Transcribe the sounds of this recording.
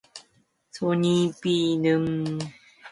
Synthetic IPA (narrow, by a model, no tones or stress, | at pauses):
t͡sʰoɲipinɨm